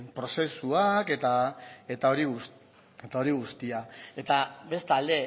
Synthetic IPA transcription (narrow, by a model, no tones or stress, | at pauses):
pɾo̞se̞suake̞t̪ae̞t̪ao̞ɾiɣus | et̪ao̞ɾiɣust̪iae̞t̪aβe̞st̪ald̪e̞